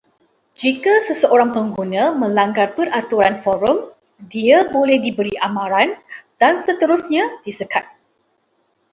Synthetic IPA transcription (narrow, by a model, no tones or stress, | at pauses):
d͡ʒikasəsəʔoɾaŋpəŋɡunãmə̃laŋɡarpərʔat̪uɾanfɔɾʊm | diabolɛhdibəɾiʔamãɾand̥ansət̪əɾusɲãdisəkat̪̚